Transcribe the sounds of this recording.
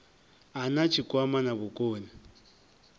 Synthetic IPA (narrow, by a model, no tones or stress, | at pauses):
anat͡ʃʰikʼwamanabʊkʼoːni